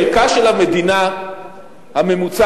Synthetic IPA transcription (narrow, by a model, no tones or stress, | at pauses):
kaʃelame̞d̪ina | hame̞mut͡sa